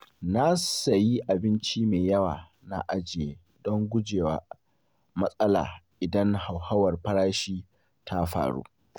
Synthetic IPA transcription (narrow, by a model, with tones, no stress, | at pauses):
na˦sɐ˨ji˦ʔa˨bɪ˦nt͡ʃi˦meː˨jɐ˦waː˨ | na˦ʔa˦d͡ʒɪ˨jeː˨ | dɔ˦ŋɡʷʊ˦d͡ʒeː˨waː˨ | mɐ˦sʼɐ˦la̰ː˨ʔɪ˨dɐ˦ŋha˨wha˦wɐ˨rɸɐ˦ɾaː˦ʃiː˦ | tʰa˦ɸa̰ː˨ɽṵː˦